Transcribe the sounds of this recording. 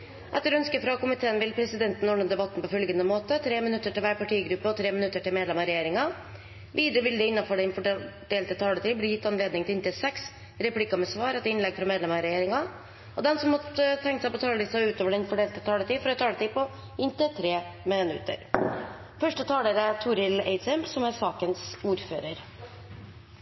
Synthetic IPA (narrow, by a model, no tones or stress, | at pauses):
ʔɛt̪ːəɾɔœnskəfɾɑkʊmɪt̪ʰeːənʋɪlpʰɾɛsɪd̪ɛnt̪n̩ɔɳːənd̪ɛbɑt̪ːn̩pɔfœlɡənəmoːt̪ət̪ʰɾeːmɪnʉt̪ːəʈɪlʋæːɾpɑʈʰiːɡɾʉpːəɔt̪ʰɾeːmɪnʉt̪ːəʈɪlmeːd̪lɛmɑɾɛjeːɾɪŋɑ | ʋiːd̪ɾəʋɪld̪ɛɪnːɑfɔɖɛnfɔɖeːlt̪ət̪ʰɑːlət̪iːblɪjɪt̪ːɑnleːd̪nɪŋt̪ʰɪɪnt̪əsɛks | ɾɛpʰlɪkɑmɛsʋɑːɾɛt̪ːɪnlɛɡfɾɑmeːd̪lɛmɑɾɛjeːɾɪŋɑ | ɔd̪ɛnsɔmːɔt̪ət̪ʰɛŋk̪sɛɪpɔt̪ʰɑːlət̪iːsəʉːt̪oːʋəɖɛnfɔɖeːlt̪ət̪ʰɑːlət̪iːfɔɾɔt̪ʰɑːlət̪iːpɔ | ɪnt̪ət̪ʰɾeːmɪnʉ̰t̪ə̰ɾ | fœʂʈət̪ʰɑːləɾət̪ʰuːɾɪlḛɪd̪sɛmsɔmæɾsɑːkənsuːɾfø̰ːɾəɾ